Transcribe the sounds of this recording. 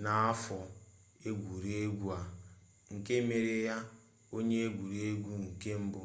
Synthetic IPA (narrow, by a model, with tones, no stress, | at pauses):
na˨a˦fɔ˨ | e˦ɡʷu˨ɾe˦ɡʷu˦a˨ | ŋ̩˨ke˦me˨ɾe˨ja˦ | o˦ɲe˦e˦ɡʷu˨ɾe˦ɡʷu˦ŋ̩˨ke˦m̩˦bʊ˦